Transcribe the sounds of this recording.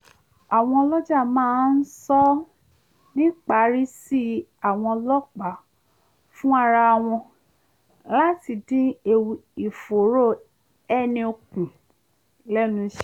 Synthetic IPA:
a˨w̃ɔ̃˧lɔ˦d͡ʒa˦˨mãː˨˦n̩˦sɔ˦ | nĩ˦k͡pa˨˦ɾi˦si˦a˨w̃ɔ̃˧lɔ˦k͡pa˨ | fũ˦a˧ɾa˧w̃ɔ̃˧ | la˦ti˨dĩ˦e˦˧wi˨fo˨ɾo˦˨ | ɛ˦˨nĩ˧o˧kũ˨ | lɛ˦nũ˧ʃɛ˦

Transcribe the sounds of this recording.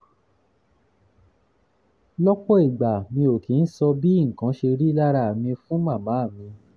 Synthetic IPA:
lɔ˦k͡pɔ˦i˨ɡ͡ba˨mĩ˧o˨ki˨˦n̩˦sɔ˧bi˦˨ŋ̩˨kã˨˦ʃe˧ɾi˦la˦ɾa˧˨mĩ˧fũ˦mã˦˨mã˨˦˨mĩ˧

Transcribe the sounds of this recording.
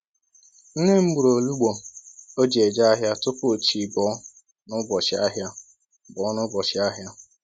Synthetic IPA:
n̩˦ne˦m̩˦ɡ͡bu˨ɾo˨lu˦ɡ͡bo˨o˦d͡ʒi˨e˨d͡ʒa˦a˦ɦja˦tʊ˦pʊ˦˨t͡ʃi˨bɔː˨˦ | nʊ˦bɔ˨t͡ʃɪ˨a˦ɦja˦ | bɔ˨˦nʊ˦bɔ˨t͡ʃɪ˨˦a˦ɦja˦

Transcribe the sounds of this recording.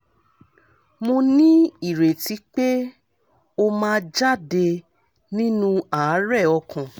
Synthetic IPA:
mõ˧nĩ˦i˦˨ɾe˨ti˨˦k͡pe˦ | o˧mãː˦˧˦d͡ʒa˦˨de˧ | nĩ˦nũ˦a˨˦ɾɛ˦˨ɔ˧kʰã˨

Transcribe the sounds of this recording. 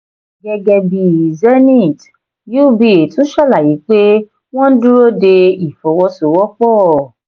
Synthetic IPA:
ɡɛ˧ɡɛ˧bi˧˨zɛ˦nĩ˦˨t | ju˦bi˨˧˦e˨tũ˨˦ʃɔ˦˨la˦˨ji˨˦k͡pe˦ | w̃ɔ̃˦n̩˦dũ˦ɾo˦de˧i˨fɔ˨˦wɔ˦so˨˧wɔ˦k͡pɔ˦˨

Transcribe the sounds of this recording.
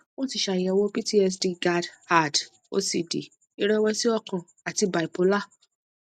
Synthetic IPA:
wõ˦ti˧ʃa˨jɛ˧˨wo˦pi˦ti˦ɛ˧s̬di˧ɡa˧dha˦˨d | o̰˦si˧˨dḛ˨ | i˦ɾɛ˦wɛ˧si˦ɔ˦˧kã˨ | a˨ti˧ba˨i˨po˨˦la˦˨

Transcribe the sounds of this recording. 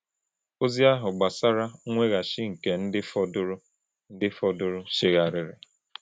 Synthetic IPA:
o˦zi˦a˦ɦʊ˨ɡ͡ba˨sa˦ɾa˦ŋʷe˦ɣa˨ʃɪ˦ŋ̩˨ke˨n̩˦dɪ˦fɔ˦dʊ˦ɾʊ˦ | n̩˦dɪ˦fɔ˦dʊ˦ɾʊ˦ʃɪ˦ɣa˨ɾɪ˨ɾɪ̰˨

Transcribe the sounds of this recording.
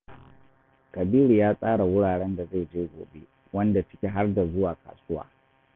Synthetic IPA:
kɐ˨biː˦ɾu˨jaː˦sʼaː˦ɽa˨wʊ˦ɽaː˨ɽɛ˦nda˨ze˦˨d͡ʒeː˦ɡʷo̰ː˨be˦ | wɐ˦nda˨sɪ˦kʲe˨ɦa˦rda˨zʊ˦waː˨ka̰ː˨sʊ˦wa̰ː˨

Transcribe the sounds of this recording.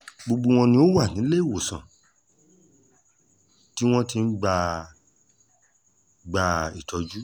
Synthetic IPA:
ɡ͡bo˧ɡ͡bo˧w̃ɔ̃˧nĩ˧o˦wa˦˨nĩ˨˦le˦i˦˨wo˨sã̰˨ | ti˦w̃ɔ̃˦ti˦˧n̩˦ɡ͡ba˧ | ɡ͡ba˧i˨tɔ˧d͡ʒu˦

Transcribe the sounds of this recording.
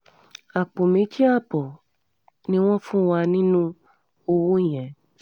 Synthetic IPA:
a˨k͡po˨mĩ˧˦t͡ʃi˦a˦˨bɔ˨ | nĩ˧˦w̃ɔ̃˦fũ˦wa˧nĩ˦nũ˦ | o˧wu˦˨j̃ɛ̃˨

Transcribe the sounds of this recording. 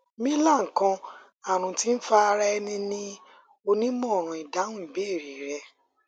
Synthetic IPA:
mĩ˦la˦˨ŋ̩˨kã˧ | a˨ɾ̃ũ˨ti˦n̩˦fa˦˧ɾɛ˦˧nĩ˧nĩ˦ | o˧nĩ˦mɔ̃˦˨ɾ̃ũ˨i˨da˨˦ũ˦m̩˨be˦˨ɾi˨ɾɛ˧

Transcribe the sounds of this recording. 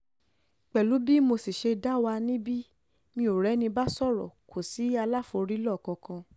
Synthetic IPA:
k͡pɛ˨lu˨˦bi˦mo˧si˨ʃe˧da˦wa˧nĩ˦bi˦ | mĩ˧o˨ɾɛ˨˦nĩ˧ba˦sɔ˦˨ɾɔ̰˨kʰo˨si˨˦a˧la˦fo˧ɾi˦lɔ˦˨kɔ̃˧kã˧

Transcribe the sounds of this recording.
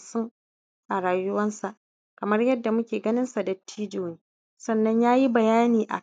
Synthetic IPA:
sʊ˦ŋ | ʔa˨ɾaː˨jʊ˦wɐ˦nsa˨ʔ | kɐ˨mɐ˦rjɐ˦dːa˨mʊ˦kʲeː˨ɡɐ˦nɪ˦nsa˨dɐ˨tːiː˦d͡ʒoː˨niː˦ | sɐ˦nːɐ˦ɲjaː˦ji˦bɐ˨jaː˦niː˨ʔa̰˨

